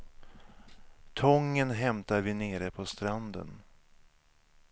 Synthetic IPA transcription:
t̪ʰɔŋːənɦɛmt̪aɾvɪneːɾəpʰɔst̪ɾand̪ə̰n

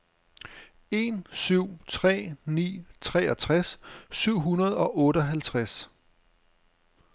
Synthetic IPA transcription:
e̝nsyʊ̰t͡sʰʁɛ̰ːnḭːt͡sʰʁɛːæt͡sʰʁassyʊ̰ɦunɐð̞̩ˠɒ̽ʔɔ̽ːɾɒɦælt͡sʰʁas

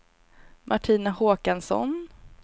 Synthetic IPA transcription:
mʔaʈʰiːnahoːkansɔ̰n

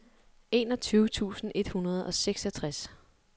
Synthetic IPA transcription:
e̝ːnɒ̽t͡sʰyːʊt͡sʰṵːsn̩e̝d̥hunɐð̞ˠɒ̽seɡ̥sɒt͡sʰʁas

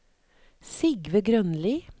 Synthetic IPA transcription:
sɪɡʋeːɡɾœnliː

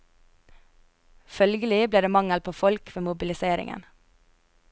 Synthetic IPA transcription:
fœlɡəlɪbliːd̪eːmɑŋɑlpʰoːfɔlkʋeːmʊbɪlɪseːɾɪ̰ŋʔə̰n

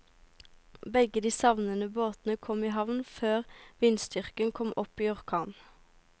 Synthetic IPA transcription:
bɛɡəd̪iːsɑʋnənəboːt̪n̩əkʰɔmiːhɑʋnføːʁʋiːnst̪ʏʁkənkʰɔmʔɔpiːɔʁkʰɑːn

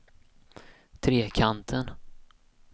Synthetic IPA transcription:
t̪ʰɾeːkʰant̪ʰən

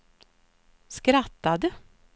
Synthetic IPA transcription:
skɾat̪ːad̪ə

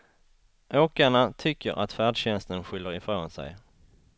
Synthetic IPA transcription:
ʔoːkaɳat̪ʰʏkʰːə̰ɾʔa̰t̪fæːɖɕɛnst̪ənɧʏlːəɾɪfɾoːnsɛ̰j

